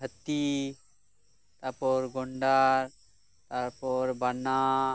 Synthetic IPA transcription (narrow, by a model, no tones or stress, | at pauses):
ɦət̪ːi | t̪apoɾɡoɳɖaɾ | t̪apoɾbana